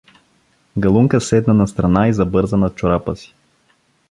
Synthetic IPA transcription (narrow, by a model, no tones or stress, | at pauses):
ɡɐlˠuŋkəsɛd̪nənɐst̪ɾɐnaizɐbɤɾzənɐt̪̚t͡ʃʊɾapəsi̥